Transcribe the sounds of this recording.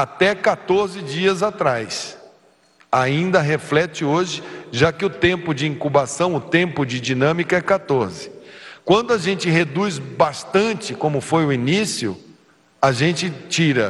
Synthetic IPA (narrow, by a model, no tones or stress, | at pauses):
at̪ɛkat̪oɾzɪd͡ʒiɐzat̪ɾajs | aĩnd̪ɐɦeflɛt͡ʃɪoʒɪʒakɪʊt̪ẽmpʊd͡ʒɪĩŋkubasɐ̃w̃ʊt̪ẽmpʊd͡ʒɪd͡ʒinɐ̃mikɐɛkat̪oɾzɪkwɐ̃nd̪ʊaʒẽnt͡ʃɪɦed̪uzbast̪ɐ̃nt͡ʃɪkõmʊfojʊinisiʊ̰ | aʒẽnt͡ʃɪt͡ʃiɾɐ